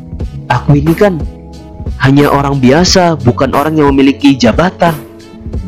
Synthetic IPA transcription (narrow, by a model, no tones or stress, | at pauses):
ʔakuinikan | haɲaʔoɾaŋbiasabukanʔo̰ɾaŋjaŋməmilikid͡ʒabat̪an